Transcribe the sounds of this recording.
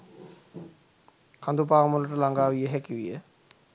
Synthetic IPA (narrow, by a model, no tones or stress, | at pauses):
kand̪up̬aːmuləʈəlaŋɡaːʋijəɦækiʋijə